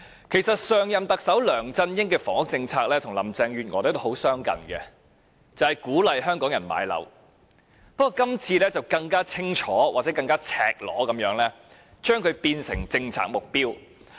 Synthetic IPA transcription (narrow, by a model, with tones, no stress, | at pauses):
kʰe˨˩jsɐ˨t̚sœː˨ŋjɐ˨mt̪ɐ˨k̚sɐ˨˥wlœː˨˩ŋt͡sɐ˥njɪ˥ŋkɛː˧fɔː˨˩ŋʊ˥k̚t͡sɪ˧ŋt͡sʰaː˧k̚lɛː˥t̪ʰʊ˨˩ŋlɐ̰˨˩mt͡sɛː˧ŋjyː˨t̚ŋɔː˨ɾt̪ho˨˥wsœː˥ŋkɐ̰˨˩nkɛ̰˧ | t͡sɐ˨whɐ˨jkuː˨˥lɐ˨jhœː˥ŋkɔː˨˥ŋjɐ˨˩nma̰ː˨˧jlɐ̰˨˥w | pk̚ːɔː˨˧kɐ˥mt͡sʰiː˧lɛː˥t͡sɐ˨wkɐ˧ŋkaː˥t͡sʰɪ˥ŋt͡ʃʰɔː˨˥wʔaː˨t͡sɛː˨˥kɐ˧ŋkaː˥t͡sʰɛ̰ː˨k̚lɔ̰ː˨˥kɐ˨˥mjœː˨˥ŋlɛː˥ | t͡ʃœː˥ŋkʰɵ˨˧ɥpiː˧nsɪ̰˨˩ŋt͡sɪ˧ŋt͡sʰa̰ː˧k̚mʊ˨k̚piː˥w